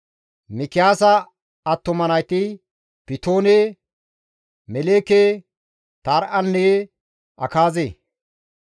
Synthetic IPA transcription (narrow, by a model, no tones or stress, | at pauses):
mɪkɪjaːsɐ | ɐt̪ːɔmɐnɐjt̪ɪ | pɪt̪oːne | mɛleːkeː | t̪aːɾʔɐnːe | ɐkaːzeː